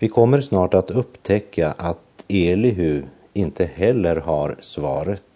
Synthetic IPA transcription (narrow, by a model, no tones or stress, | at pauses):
vɪkʰɔmːəɾsnɑːʈat̪ɵpːt̪ʰɛkʰːaʔat̪eːlɪɦʉː | ɪnt̪ʰəhɛlːəɾhaɾsvɑːɾət̪